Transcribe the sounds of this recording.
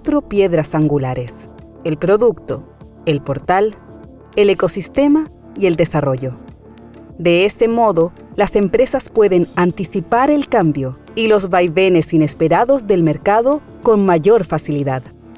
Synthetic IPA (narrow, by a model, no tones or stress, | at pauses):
t̪ɾopje̞ðɾasaŋɡulaɾe̞s | elpɾo̞ðukt̪o̞̰ | elpo̞ɾt̪al | eleko̞sist̪e̞ma | ie̞ld̪e̞saro̞ʝo | d̪e̞ese̞mo̞ðo̞ | lase̞mpɾe̞saspwe̞ðe̞nant̪isipaɾe̞lkambjo | ilo̞zβajβe̞ne̞sine̞speɾaðozðe̞lme̞ɾkaðo̞ | ko̞nmaʝo̞ɾfasiliðað